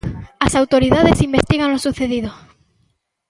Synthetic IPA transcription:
asawt̪o̞ɾiðaðesimbest̪iɣanlo̞suθe̞ðiðo

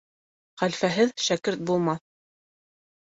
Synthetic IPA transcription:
χælfæɦɘðʃækɘɾt̪̚bulˠmɑθ

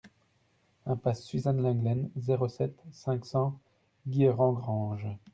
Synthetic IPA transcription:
ɛ̃pasːɥizanlɛ̃ɡlɛnzeʁosɛt̪sɛ̃ksɑ̃ | ɡʲieʁɑ̃ɡʁɑ̃ːʒ

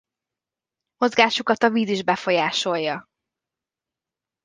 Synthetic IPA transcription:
mo̞zɡaːʃukɒt̪ɒviːziʒbɛfo̞jaːʃo̞jːɒ

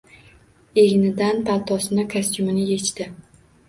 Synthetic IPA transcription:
eɡʲnɪd̪anpʰalˠt̪ʰɒsɪnakʰasʲt̪ʊmɪnɪje̞t͡ʃt̪ɪ

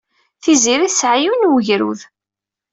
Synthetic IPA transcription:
θiziɾiθsʕajunwəʝɾṵð

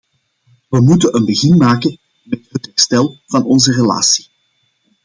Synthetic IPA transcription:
ʋəmutəʔənbəɣɪnmaːkən | mɛtɦətɦɛrstɛlˠv̥ɑnɔnzərela̰ːsi̥

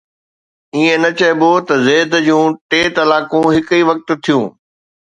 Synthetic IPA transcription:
iẽnɐt͡ɕɐɪbot̪ɐzeːd̪d͡ʑũːʈeːt̪ɐlaːkũɦɪkiʋɐk̚t̪̆t̪ʰijũː

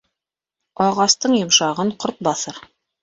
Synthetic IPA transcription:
ɑʁɑst̪ɤɴjŏmʃɑʁɤɴqoɾt̪̚bɑθɤɾ

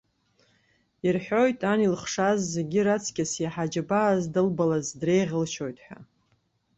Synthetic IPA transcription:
irħʷᶣo̞jtʼanilχʂazːe̞ɡʲiɾat͡sʰkʲʼasjaħad͡ʒabaːzdɨlbalazdre̞jʁʲəlʃo̞jtʼħʷᶣa̰

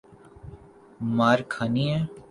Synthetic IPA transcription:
maːɾkʰaːniɦɛ̃ː

